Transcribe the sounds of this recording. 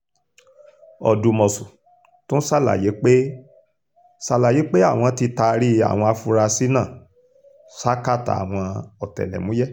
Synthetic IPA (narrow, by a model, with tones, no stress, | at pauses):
ɔ̰˨du˧mɔ˨su˨ | tõ˦sa˦˨la̰˨je˨˦k͡pe˦ | sa˧la˨je˨˦k͡pe˦a˦˨w̃ɔ̃˧ti˧ta˧ɾi˦a̰˨w̃ɔ̃˧a˧fu˧ɾa˧si˦nã˦˨ | sa˦ka˦˨ta̰˨a̰˨w̃ɔ̃˧ɔ˨tɛ̰˨lɛ̰˨mũ˨˦jɛ˦